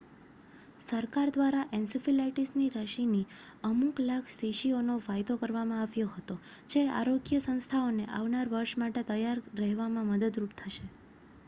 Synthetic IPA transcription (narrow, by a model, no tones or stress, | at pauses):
səɾkaɾd̪ʋaɾaʔensifilaʈisniɾəʃini | əmuklaɡseʃionoʋajd̪okəɾʋamãaʋjoɦət̪o | d͡ʒea̰ɾoɡjəsə̃ñst̪ʰaoneʔa̰ʋnaɾʋəɾʃmaʈet̪əjaɾɾəɦʋamãməd̪əd̪ɾup̚t̪ʰəʃe